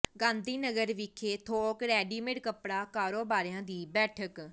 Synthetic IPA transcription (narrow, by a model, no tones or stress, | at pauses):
ɡãːnd̪iːnəɡəɾʋɪkʰeːt̪ʰoːkɾɛːɖiːmeɖkəpɽaːkaːɾoːbaːɾjãːd̪iːbɛːʈʰək